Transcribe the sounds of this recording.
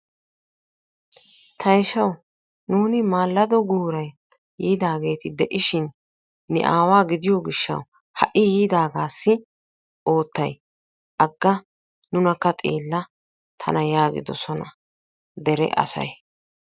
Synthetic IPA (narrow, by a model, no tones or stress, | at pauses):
t̪ʰɐjʃɐw | nuːnɪmaːlːɐd̪ɔɡuːɾɐj | jiːd̪aːɡe̞ːt̪ɪd̪ɛʔɪʃɪnː | ɛ̰ʔaːwaːɡɪd̪ɪjɔɡɪʃːɐ̰w | hɐʔɪjiːd̪aːɡaːsːɪ | ʔo̞ːt̪ːɐj | ʔɐɡːɐ | nʊnɐkːɐt̪ʼḛːlːɐ | t̪ʰɐ̰nɐjaːɡɪ̰d̪ɔsɔnɐ | d̪ɛɾɛ̰ʔɐ̰sɐ̰j